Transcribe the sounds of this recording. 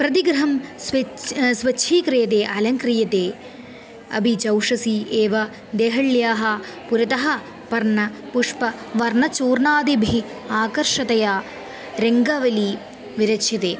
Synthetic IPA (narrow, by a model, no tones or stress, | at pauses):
pɾɐt̪iɡɾɐɦɐmsʋsʋɐt͡ʃːʃʰiːkɾijɐt̪̬eːʔɐlɐŋkɾijɐt̪eː | ɐ̰bʱit͡ʃɐwʂɐsiːeːʋɐ | d̪eːɦɐɭjaːɦɐpuɾɐt̪ɐɦɐ | pɐɾnɐpuʂpɐʋɐɾnɐt͡ʃuːɾnaːd̪ibʱi | aːkɐɾʂɐt̪ɐjaː | ɾeŋɡɐʋɐliː | ʋiɾɐt͡ʃʰɐt̪eː